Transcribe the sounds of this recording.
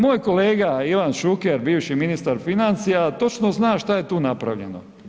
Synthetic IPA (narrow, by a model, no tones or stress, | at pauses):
mo̞ːjko̞le̞ːɡaiʋanʃukeɾbiːʋʃiminist̪aɾfinant̪sijat̪o̞t͡ʃnoznaːʃt̪aje̞t̪uːnapɾa̰ʋʎḛno̰